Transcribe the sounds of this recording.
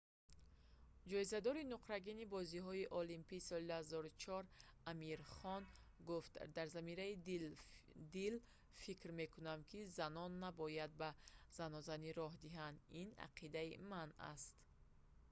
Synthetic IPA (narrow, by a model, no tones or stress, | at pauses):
d͡ʒɔizad̪ɔɾinuqɾaɡinibɔziɦɔiʔɔlimpiːsɔlilzɔɾt͡ʃʰɔɾamiɾχɔn | ɡuft̪d̪aɾzamiɾai | d̪il | fikɾme̞kʰunamkʰizanɔnːabɔjad̪̚baz̥anɔzaniɾɔɦd̪iɦand̪ina̰qʰid̪aimana̰st̪